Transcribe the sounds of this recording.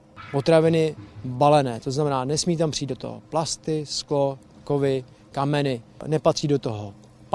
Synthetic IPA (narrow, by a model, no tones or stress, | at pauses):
po̞t̪ɾavɪnɪbalɛnɛːt̪oznamɛnaːnɛsmiːt̪ampr̥iːdot̪o̰ɦo̰plast̪ɪsklo | kovɪ | kamɛnɪnɛpat̪r̥iːdo̞t̪o̞ɦo